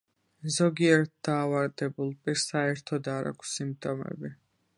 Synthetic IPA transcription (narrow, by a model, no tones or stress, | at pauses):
zɔɡiɛɾt̪̚d̪̥aːvaɾd̪ɛbulˠpʼiɾsaɛɾt̪ʰɔd̪aɾa̰kʷʰsimp̚ʼt̪ʼɔmɛ̰bi